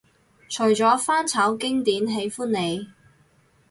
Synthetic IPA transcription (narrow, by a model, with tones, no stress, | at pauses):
t͡ʃʰɵ˨˩ɥt͡sɔː˨˥faː˥nt͡sʰɐː˨˥wkɪ˥ŋt̪iː˨˥nɦe˨˥jfuː˥nːe˨˧j